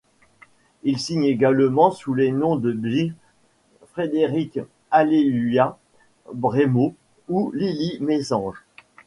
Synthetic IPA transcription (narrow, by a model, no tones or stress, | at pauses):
ilsiɲeɡalmɑ̃sulenɔ̃d̪əbi | fχed̪eʁik | alelyja | bʁemo | ulilimesɑ̃ʒ